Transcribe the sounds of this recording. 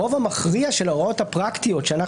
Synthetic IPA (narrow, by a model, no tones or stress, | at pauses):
o̞vamaχʁiaʃe̞lao̞t̪hapʁakt̪ijo̞tʃeana